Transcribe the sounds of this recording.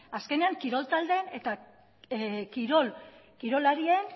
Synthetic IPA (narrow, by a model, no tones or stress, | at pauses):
aske̞ne̞aŋkiɾo̞lt̪ald̪e̞ne̞t̪a | kiɾol | kiɾo̞laɾie̞n